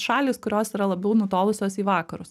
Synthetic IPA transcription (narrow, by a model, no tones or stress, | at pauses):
ʃɑːlʲiːskʊɾʲoːsiːɾɐlˠɐbʲɛʊnʊt̪oːlˠʊsʲoːsiːʋɑːkɐɾʊs